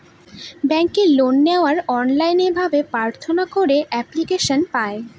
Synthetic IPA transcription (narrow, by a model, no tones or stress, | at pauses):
bɛŋkelonːeoaɾɔnlajnebʱabepaɾt̪ʰonakoɾeʔɛplikeʃonpae